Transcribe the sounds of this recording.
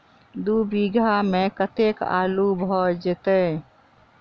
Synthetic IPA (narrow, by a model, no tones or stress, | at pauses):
d̪ubiɡʱamekət̪eka̰ːlubʱɔd͡ʒet̪e